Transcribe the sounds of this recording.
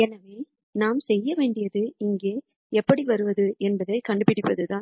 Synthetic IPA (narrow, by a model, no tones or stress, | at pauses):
ɛnɐʋeː | naːmsɛjːɐʋeːɳɖɪjɐðɯɪŋɡeː | ɛpːɐɽiʋɐɾɯʋɐðɯʔɛnbɐðɐɪkɐɳɖɯpɪɽɪpːɐðɯt̪ãːn